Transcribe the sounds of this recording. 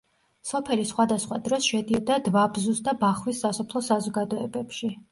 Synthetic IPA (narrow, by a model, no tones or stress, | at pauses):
sɔpʰɛlisχwad̪asχwa̰d̪ɾɔsʃɛd̪iɔd̪ad̪vabzusd̪abaχwisːasɔpʰlˠɔsazɔɡad̪ɔɛbɛpʃi